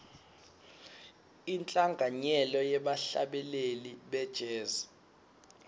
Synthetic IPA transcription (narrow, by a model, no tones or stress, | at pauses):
int͡ɬʼaŋɡʱaɲɛlɔjɛɓaɬa̰ɓɛleliɓɛd̥ʒ̥ʱɛːza